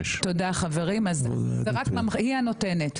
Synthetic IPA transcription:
todaχave̞ʁimazeʁakmamhiano̞tenet

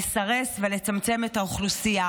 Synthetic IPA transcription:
saʁe̞svele̞t͡samt͡se̞me̞taoχlusia

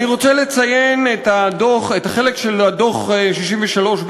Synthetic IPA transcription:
niʁo̞t͡sele̞t͡sajenetadoχetaχelekʃeladoχeʃiʃiɱveʃalo̞ʃb

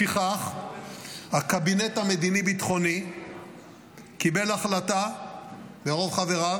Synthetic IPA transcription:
iχaχ | hakabinet̪ame̞d̪inibit̪χo̞ni | kibe̞laχlat̪a | beʁo̞vχaveʁa

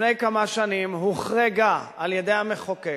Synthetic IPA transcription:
nejkamaʃanimɦuχʁeɡaaljedejameχoke

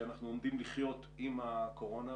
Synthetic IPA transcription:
anaχnuo̞md̪imliχjo̞t | imako̞ʁo̞na

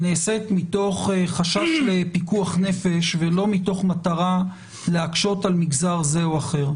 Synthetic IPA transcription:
neːsekmito̞χχaʃaʃle̞pikuaχne̞fe̞ʃvelo̞mito̞χmat̪aʁa | leakʃo̞talmiɡzaʁze̞oaχe̞ʁ

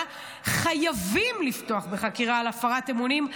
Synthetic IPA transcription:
χajavimliftoaχbe̞χakiʁaːlafaʁate̞munim

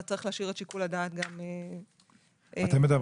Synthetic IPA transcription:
at͡saʁiχlaaʃiʁeʃikuladaːt̪ɡame | at̪emːed̪av

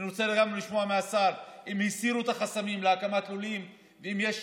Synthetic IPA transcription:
iɾot͡seleɡamʁeliʃmo̞ameasaɾimisiɾuet̪aχasamimleakamat̪lulim | veimjeʃ

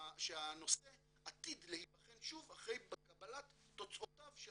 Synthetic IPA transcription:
ʃeano̞se | at̪id̪lehipaχenʃuvaχʁejbekabalatːot͡sʔotavʃe

